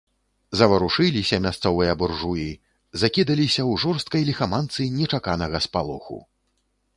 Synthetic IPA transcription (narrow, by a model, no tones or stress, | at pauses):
zɐvɐɾuʂɨlʲisʲɐmʲast̪sɔvɨjɐburʐuji | zakʲid̪ɐlʲisʲɐwʐɔrst̪̚kɐjlʲixamant̪sɨnʲɛt͡ʂakanɐɣɐspalˠuxṵ